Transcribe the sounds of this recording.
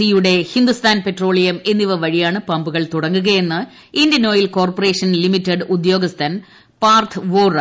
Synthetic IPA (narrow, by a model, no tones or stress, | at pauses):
ijuɽe̞hind̪ust̪ʰaːnpe̞tro̞ːɭijɐme̞nːiʋɐʋɐɻijaːɳɨpɐmbuɣɐɭt̪uɽɐŋːuɣɐje̞nːɨ | ind̪jɐno̞ːjilko̞ːrpɐre̞ːʂɐnlimitːɐɖud̪jo̞ːɡɐst̪ʰɐn | paːrt̪ʰʋoːrɐ